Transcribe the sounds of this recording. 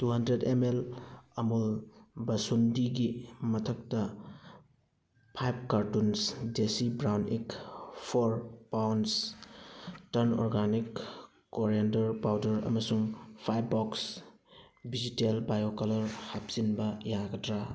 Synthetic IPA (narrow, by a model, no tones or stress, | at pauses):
tuɦɐndɾedemelɐmulbɐsundiɡimɐtʰɐk̚tɐ | pʰajb̚kaɾtunsdesibɾawnekpʰoɾpawns | tɐɾnɔ̰ɾɡanikː | oɾendɐɾpawdɐɾɐ̰mɐsuŋpʰajbːɔks | bizitelbajokɐlɐɾhap̚z̥inbɐjaɡɐtɾa